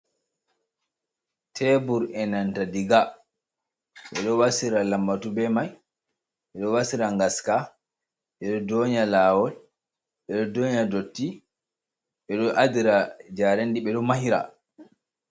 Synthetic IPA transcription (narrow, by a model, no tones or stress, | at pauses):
tʰɛbuɾɛnantadiɡa | ɓɛɗɔwasiɾalamːatubɛmaj | ɓɛɗɔwasiɾaŋɡaska | ɓɛɗɔdoːɲalaːwɔl | ɓɛɗɔdoːɲadotːi | ɓɛɗɔʔadiɾad͡ʒaɾendiɓɛɗɔmahiɾa̰